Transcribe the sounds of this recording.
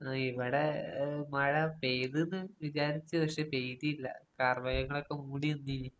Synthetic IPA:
iʋiɽemɐɻɐpejðenːɨʋit͡ɕaːɾit͡ɕːɨʋɐkʂepe̞jðiilːɐ̰kaːrmɐjɐŋːɐɭokːe̞muːɽiunːii

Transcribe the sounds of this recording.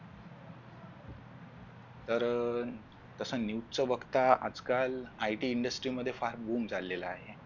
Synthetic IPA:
t̪əɾ | t̪əsənjit͡səʋəɡt̪aa̰d͡zkalajʈiːɳɖəsʈɾiməd̪ʱjefaɾbumd͡zalːeləaɦe

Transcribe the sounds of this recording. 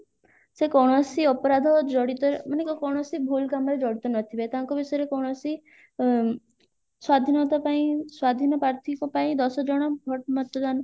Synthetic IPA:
sekɔwɽ̃ɔsiɔpɔɾad̪ʱɔd͡ʒɔɽit̪ɔɾmɔnekɔkɔwɽ̃ɔsibʱulkamɔɾed͡ʒɔɽit̪ɔnɔt̪ʰibajt̪aŋkɔbisɔjeɾekɔwɽ̃ɔsi | swad̪ʱinɔt̪apaĩswad̪ʱinɔpɾaɾt̪ʰikɔpaĩd̪ɔsɔd͡ʒɔɽ̃ɔbʱɔʈmɔt̪ɔd̪anɔ

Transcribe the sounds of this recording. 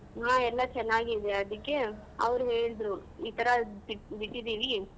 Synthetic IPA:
ɦaːɛlːɐt͡ʃɛnːaːɡiːd̪eɐd̪ikːe̞ɐ̰ʋɐɾuɦeːɭd̪ɾuiːt̪ɐɾɐiʈbiʈːid̪iːʋi

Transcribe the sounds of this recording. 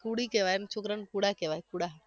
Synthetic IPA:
kuɽikeʋajnt͡ʃʰokɾənkuɽakeʋajkuɽa

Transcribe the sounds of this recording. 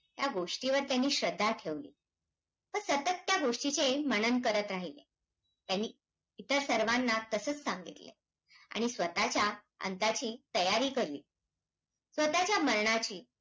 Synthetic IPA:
t̪jaɡoʂʈiʋəɾt̪janːiːɕɾəd̪ʱːaʈʰeʋlḭː | pəɳsət̪ət̪ːjaɡoʂʈit͡seməñənkəɾət̪ɾaɦilḛ | t̪janːiː | t̪əɾsəɾʋanːat̪əsəːt͡ssãŋɡḭt̪lḛ | a̰ɽ̃isʋət̪at͡ɕja | ə̰nt̪at͡ɕiːt̪əjaɾiːkəɾlḭː | sʋət̪at͡ɕjaməɾɳat͡ɕiː

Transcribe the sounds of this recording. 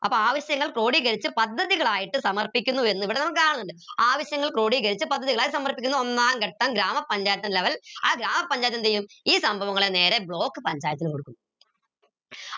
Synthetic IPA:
ʔɐpːoaːʋɐɕjɐŋːɐɭkro̞ːɽiɣɐɾit͡ɕːɨpɐd̪ʱːɐðiɣɐɭaːjiʈːɨsɐmɐrpikʲːunːue̞nːuiʋiɽenɐmukːɨkaːɳɐnːuɳɖɨaːʋɐɕjɐŋːɐɭkɾo̞ːɽiɣɐɾit͡ɕːɨpɐd̪ʱːɐðiɣɐɭaːjiːsɐmɐrpikʲːunːuo̞nːaːmkeʈːɐmɡɾaːmɐpːɐɲd͡ʑaːjɐt̪ːɐnleʋɐla̰ɡɾaːmɐpːɐɲd͡ʑaːjt̪ːɐnt̪ejumiːsɐmbʱɐʋɐŋːɐɭene̞ːɾe̞bɭo̞ːkːɨpɐɲd͡ʑaːjɐt̪ːinɨkoɽukːunː

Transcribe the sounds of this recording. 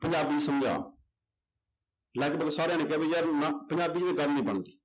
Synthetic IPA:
pə̃ɲd͡ʒaːbisəmd͡ʒa̰ː | laːkbəɡsaːɾeañeːkɛːbeːjɛɾnapəɲd͡ʒaːbiːd͡ʒeeɡəɾnĩːbəɳd̪iː

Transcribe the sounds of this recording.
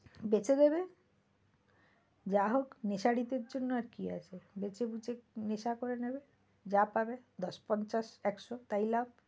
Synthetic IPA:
bet͡ɕed̪ebe | d͡ʑaɦokneʃaɽit̪eɾd͡ʑonːoaɾkia̰t͡ɕʰebet͡ɕebut͡ɕeneʃakoɾenebe | d͡ʑapabed̪ɔʃpɔnt͡ɕaʃɛkʃot̪ajlab̚

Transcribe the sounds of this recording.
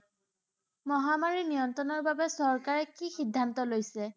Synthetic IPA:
mɔɦamaɹinijɔntɹɔnɔɹbabɛsɔɹkaɹɛkixidʱːantɔlojsɛ

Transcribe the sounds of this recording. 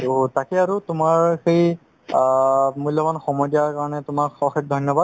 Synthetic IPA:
otakɛaɹutʊmaɹxej | mulːɔbanxɔmɔjdijaɹkaɹɔnɛtʊmakɔxek̚dʱɔnjɔbad̚

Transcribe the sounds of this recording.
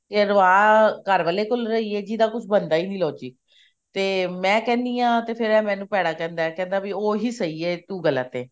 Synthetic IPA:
keɾəaːkəɾʋaːleːkʊlɾəiːɛːd͡ʒiːd̪aːkʊt͡ʃʰbənd̪aːiːniːlɔːd͡ʒiː | t̪eːmɛ̃ːkɛ̃ːnd̪iːãːt̪eːpʰɪɾɛ̃ːmɛ̃ːnũːpɛːɽaːkɛ̃ːnd̪aːɛːkɛ̃ːnd̪aːbɪoːɦiːsəiːeːt̪uːɡəla̰ːt̪eː

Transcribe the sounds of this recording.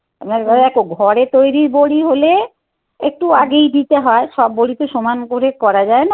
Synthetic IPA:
a̰pnaɾɛkoɡʱɔɾet̪ojɾiɾboɽiɦole | ek̚ʈuaɡejd̪it̪eɦɔeʃɔbːoɽit̪oʃomankoɾekɔɾad͡ʑaena

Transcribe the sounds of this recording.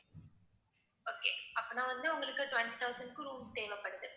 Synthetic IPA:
oːkḛːɐpːoːnaːʋɐnd̪ɯʊŋɡɐɭɯkːɯʈʋɐnʈit̪ʰɐʊsɐnɖkɯ̃ɾuːmt̪eːʋɐpːɐɽɯðɯ

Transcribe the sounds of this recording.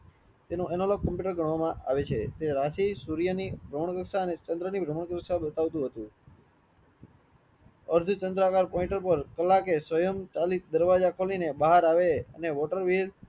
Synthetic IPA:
t̪enũɛnoloɡ̚kːəmpjuʈəɾɡʱəɳ̃ʋamãʔa̰ʋet͡ʃʰet̪eɾaʃisuɾijənibʱɾəməɳkəksaənet͡ʃənd̪ɾənibʱɾəməɳkɾəksabət̪aʋt̪ũɦət̪ũ | əɾd̪ʱut͡ʃənd̪ɾakaɾpɔĩɳʈəɾpəɾkəlːakesʋəjəmt͡ʃalik̚d̪əɾʋad͡ʒakʰolinebaɦaɾaʋeə̰neʋɔʈəɾʋil

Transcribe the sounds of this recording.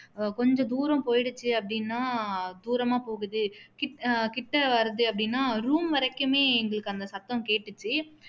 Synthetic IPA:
kɔɲd͡ʒɔ̃d̪uːɾɐ̃mpoːjɪɽɯt͡ʃːɯɐpːɐɽɪnːaːd̪uːɾɐmaːpoːɣɯðɯkɪʈːkɪʈːɐʋɐɾðɯɐpːɐɽɪnːaːɾuːmʋɐɾɐkːɯmeːɛŋɡɐɭɯkːɯɐnd̪ɐsɐt̪ːɐ̃mkeːʈːɯt͡ʃːɯ

